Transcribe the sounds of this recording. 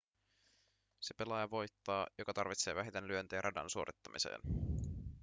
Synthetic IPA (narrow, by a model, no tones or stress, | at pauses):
se̞pe̞lɑjɑʋo̞jt̪ːɑːjo̞kɑt̪ɑrʋit̪seːʋæɦit̪enlyø̞nt̪eːɾʔɑdɑ̰nsuo̞ɾit̪ːɑmisḛːn